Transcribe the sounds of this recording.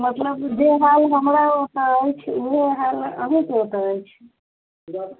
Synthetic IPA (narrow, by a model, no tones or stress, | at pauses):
mət̪ləbd͡ʒeɦalɦəmɾaɦot̪əəjt͡ʃʰueɦalə̰mikɦot̪əːjt͡ʃʰ